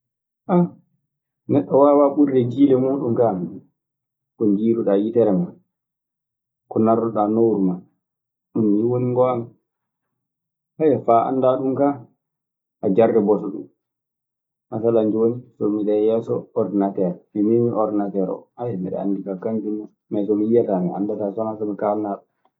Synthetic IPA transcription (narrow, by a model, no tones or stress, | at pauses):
ʔa | nɛɗːɔwawaɓuɾdɛd͡ʒiːlɛmuːɗumkam | kɔnd͡ʒiːɾuɗajitɛɾɛman | kɔnaɾɔɗanowɾuman | ɗumːiwoniŋɡɔan | hajɛfaʔa̰nːdaɗumka | ʔad͡ʒardɛbɔtɔɗṵm | masaland͡ʒonisɔmiɗɛjɛsɔɔɾdnatɛɾmimimiʔɔɾdnatɛɾɔ̰hajɛmiɗɛ̰a̰ndikakand͡ʒinu | mɛsɔmijatamɛa̰ndatasɔnasɔmikalnaɗu